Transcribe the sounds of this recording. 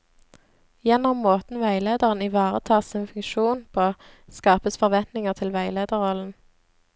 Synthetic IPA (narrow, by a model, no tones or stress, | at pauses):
jɛnɔmːoːt̪n̩ʋæɪleːd̪əʁənɪʋɑːʁət̪ʰɑːʁsɪnfʉŋʃuːnpʰoː | skɑːpəsfɔʁʋɛnt̪nɪŋəʁt̪ʰɪlʋæɪleːd̪əʁʁɔln̩